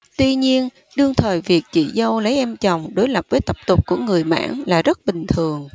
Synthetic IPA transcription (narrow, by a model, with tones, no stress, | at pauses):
t̪wi˧ɲi˧ən | ɗɨ˧əŋt̪ʰəː˨˩jvi˨˩ək̚t͡ɕḭ˧˩zə˧wlə˨˦jʔɛ˧mt͡ɕɔ˨˩wŋ͡mɗo˨˦jlə˨˩p̚vəː˨˦jt̪ə˦˥˩p̚t̪ʊ˨˩k͡p̚ku˧˩əŋɨ˨˩əjma̰ː˧˥nlaː˨˩zə˦˥t̚ɓï˨˩ŋ̟t̪ʰɨ˨˩əŋ